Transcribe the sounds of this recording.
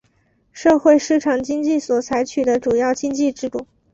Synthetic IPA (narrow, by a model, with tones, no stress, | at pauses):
ʂɤ˥˧xwe˥˧ɪʂɻ̩˥˩ʈ͡ʂʰɑ˨˩ŋt͡ɕi˥ŋt͡ɕi˥˩swɔ˨˩t͡sʰa˧˥ɪt͡ɕʰy˨˩d̪ə˦ʈ͡ʂu˨˩jɑ˥˩ʊt͡ɕi˥ŋt͡ɕi˥˧ʈ͡ʂɻ̩˥t̪u˥˩